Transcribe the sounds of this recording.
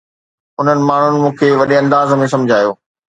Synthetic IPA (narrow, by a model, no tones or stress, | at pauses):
ʊn̤ənɪ̆maːɳ̤ʊnɪ̆mũːkʰeʋɐɗeɐ̃nd̪aːzmẽsɐ̃md͡ʑʱaːjoː